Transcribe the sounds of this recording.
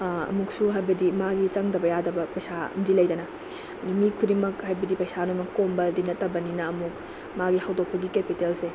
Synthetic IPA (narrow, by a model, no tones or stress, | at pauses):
ɐ̰muk̚suɦajbɐdimaɡit͡ʃɐŋdɐbɐjadɐbɐpɐjsaɐ̰mdilɐjdɐnɐ | mikʰudimɐkhajbɐdipɐjsanojmɐkːombɐdinɐtːɐbɐninɐːmuk̚ | maɡihawdok̚pʰɐɡikepitelse